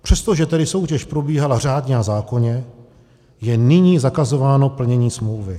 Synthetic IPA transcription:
pr̝̥ɛst̪o̞ʒɛt̪ɛdɪso̞wcɛʃpɾo̞biːɦalar̝aːdɲɛazaːko̞ɲɛ | jɛnɪɲiːzakazo̞vaːno̞pl̩ɲɛɲiːsmlowvɪ

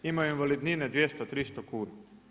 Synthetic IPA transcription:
imajoinʋalid̪nined̪ʋjest̪ot̪ɾist̪okuːna

